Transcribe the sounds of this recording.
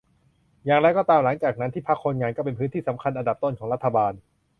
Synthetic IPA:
jaː˨˩ŋɾa˧jkɔː˥˩t̪aː˧mla˩˦ŋt͡ɕaː˨˩k̚na˦˥nt̪ʰiː˥˩pʰa˦˥kʰːo˧nŋaː˧nkɔː˥˩p̬e˧npʰɯː˦˥nt̪ʰiː˥˩sa˩˦mkʰa˧nʔa˧nda˨˩p̚t̪o˥˩nkʰɔː˩˦ɾa˥t̪ʰːa˧baː˧n

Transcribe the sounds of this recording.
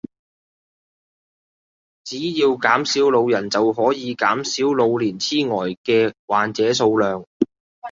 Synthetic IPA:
t͡siː˨˥jiː˧wkaː˨˥msiː˨˥wlo˨˧wjɐ˨˩nt͡sɐ˨wɦɔː˨˥jiː˨˧kaː˨˥msiː˨˥wlo˨˧wliː˨˩nt͡sʰiː˥ŋɔː˨˩jkɛː˧waː˨nt͡sɛː˨˥s̬o˧wlœː˨ŋ

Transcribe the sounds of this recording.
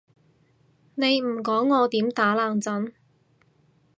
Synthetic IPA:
ne˨˧jm̩˨˩kɔː˨˥ŋːɔː˨˧t̪iː˨˥mt̪aː˨˥laː˨˩ŋt͡sɐ˨˥n

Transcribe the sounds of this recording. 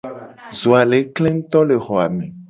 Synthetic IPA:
zo˨a˨le˨˦kle˦ŋ̩˦t̪ɔ˦le˨xɔ˨a̰˨mẽ˨

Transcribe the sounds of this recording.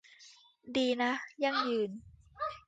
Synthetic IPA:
diː˧na˦˥ja˧˩ŋjɯː˨˩n

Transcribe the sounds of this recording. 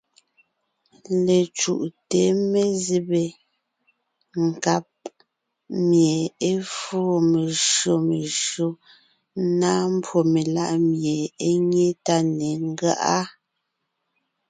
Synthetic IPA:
le˨t͡ʃṵ˨ʔte˨˦me˦zi˦be˨ | ŋ̩˨ka˦p̚ | mje˨e˦fuː˦me˨ʃo˨me˨ʃɰo˦ | na˦m̩˦pwo˨me˨la˦ʔmje˨e˦ɲe˦ta˦ne˨ŋ˦ɡɰa̰˦ʔa˦

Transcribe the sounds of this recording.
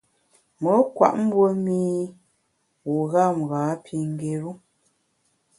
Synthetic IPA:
mə˨˦kwa̰˨ʔm̩˦bwo˦mi˦ | wu˨ɣa˦˨m˨ɣa˨˦pʰi˨ŋ˦ɡe˨ɾu˦

